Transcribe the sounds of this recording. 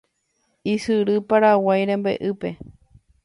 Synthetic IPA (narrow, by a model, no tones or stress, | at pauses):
isɨɾɨpaɾawajɾẽmbḛʔɨpe̞